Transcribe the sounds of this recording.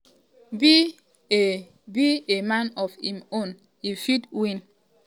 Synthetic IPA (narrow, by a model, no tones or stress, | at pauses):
bi | e | biemãnɔfhimon | ifidwĩn